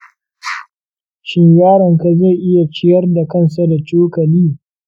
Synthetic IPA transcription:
ʃɪ˦ɲjaː˦ɽɐ˨ŋka˨ze˦˨ʔɪ˦ja˨t͡ʃɪ˦jɐ˦rda˨kɐ˦nsa˦da˨t͡ʃoː˦kɐ˨liː˦

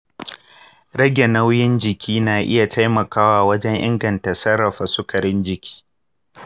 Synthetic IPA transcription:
ɽɐ˦ɡʲe˨na˦wjɪ˦nd͡ʒɪ˨kʲʰiː˦naː˨ʔɪ̰˦ja˨ta˦jmɐ˨kaː˦waː˨wɐ˦d͡ʒɛ˦ŋʔɪ̰˦ŋɡɐ˨nta˨sɐ˦rːɐ˨ɸa˨sʊ˦kʰɐ˨ɽɪ˦nd͡ʒɪ˨kʲi̥ː˦

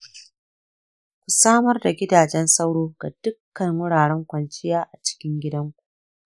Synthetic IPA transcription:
kʷu˨saː˦mɐ˦rda˨ɡʲɪ˦daː˨d͡ʒɛ˦nsɐ˦wɽoː˦ɡ̥a̰˨d̥ʊ˦kːɐ˨ŋwʊ˦ɽaː˨ɽɛ˦ŋkʷɐ˨nt͡ʃɪ˦jaː˦ʔa˨t͡ʃɪ̥˦kʲɪ˦ŋɡʲɪ˦dɐ˦ŋkʷu̥˨ʔ

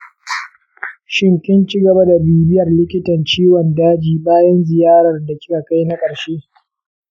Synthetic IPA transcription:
ʃɪ˦ŋkʲɪ˦nt͡ʃɪ˦ɡɐ˨ba˦da˨biː˦bɪ˦jɐ˨rlɪ˦kʲɪ˦tɐ˨nt͡ʃiː˦wɔ˨ndaː˦d͡ʒiː˨baː˦jɐ˦nzɪ˨jaː˦ɾɐ˨rda˨kʲɪ̥˦ka˨ka˦jna˦kʼɐ˨ɽʃeː˦

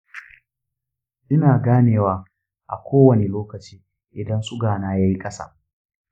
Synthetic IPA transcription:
ʔɪ˦naː˨ɡaː˦neː˨waː˨˦ | ʔa̰˨kʷʰoː˦wɐ˨ne˨loː˦kɐ˨t͡ʃiː˦ | ʔɪ˨dɐ˦nsʼʊ˦ɡaː˨naː˦jaː˦ji˦kʼɐ˦sa̰ː˦

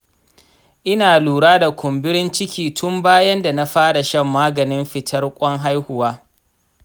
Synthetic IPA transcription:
ʔɪ˦naː˨luː˨ɽaː˦da˨kʷʰʊ˨mbɪ˦ɽɪ˦nt͡ʃɪ˦kʲʰiː˨tʰʊ˦mbaː˦jɐ˦nda˨na˦ɸaː˦ɽa˨ʃɐ˦˨mːaː˦ɡɐ˨nɪ˦mɸɪ˨tʰɐ˦rkʷʼɔ˦ŋɦa˦jhʊ˨waː˦

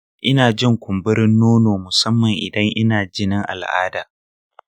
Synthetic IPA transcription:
ʔɪ˦naː˨d͡ʒɪ˦ŋkʷʊ˨mbɪ˦ɾɪ˦nːoː˦noː˨mʊ˨sɐ˦mːɐ˨ŋʔɪ̰˨dɐ˦ŋʔɪ˦naː˨d͡ʒɪ˦nɪ˦ŋʔa̰˨lʔa̰ː˦daː˨

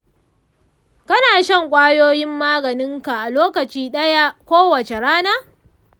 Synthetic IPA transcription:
kɐ˦naː˨ʃɐ˦˨ŋkʷʼaː˦joː˦jɪ˦mːaː˦ɡɐ˨nɪ˦ŋka˨ʔa˨loː˦kɐ˨t͡ʃiː˦ɗɐ˦ja˦kʷoː˦wɐ˨t͡ʃe˨ɽaː˦naː˦

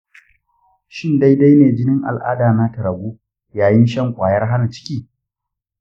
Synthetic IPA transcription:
ʃɪ˦nda˦jda˦jneː˨d͡ʒɪ˦nɪ˦ŋʔa̰˨lʔa̰ː˦daː˨na˦tɐ˨ɾɐ˨ɡʷuː˦ | jaː˨jɪ˦nʃɐ˦˨ŋkʷʼaː˨jɐ˦rɦa˦na˨t͡ʃɪ̥˦kʲiː˦

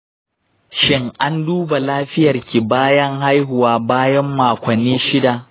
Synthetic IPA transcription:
ʃɪ˦ŋʔa˦nduː˦ba˨laː˦ɸɪ˦jɐ˨rkʲi˨baː˦jɐ˦ŋha˦jɦʊ˨waː˦baː˦jɐ˦mːaː˨kʷɐ˨nːiː˦ʃɪ˦da˨

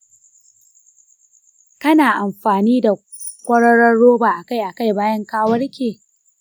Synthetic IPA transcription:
kɐ˦naː˨ʔa˨mɸaː˨niː˦da˨ | kʷʼɐ˦ɽɐ˦ɽɐ˦ɽːoː˦baː˨ʔa˨ka˦˨jʔa˨ka˦˨jbaː˦jɐ˦ŋkaː˦wɐ˦ɽkʲeː˨

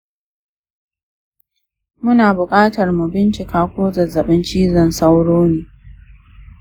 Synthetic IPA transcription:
mʊ˦naː˨bʊ˨kʼaː˦tɐ˨rmu˨bɪ˦nt͡ʃɪ˨kaː˦kʷoː˦zɐ˨zɐ˨ɓɪ˦nt͡ʃiː˦zɐ˨nsa˦wɽoː˦neː˨

